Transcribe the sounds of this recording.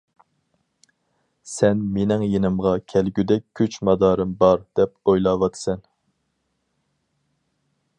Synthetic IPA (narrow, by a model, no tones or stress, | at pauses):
sɛnmenɪŋjenɪmʁɑkʲʰɛlɡʲyd̪ɛk̚ʲʰːyt͡ʃmɑd̪ɑːɾɨmbɑɾd̪̥ɛpojlˠɑːwɑt̪ʰɨ̥sɛn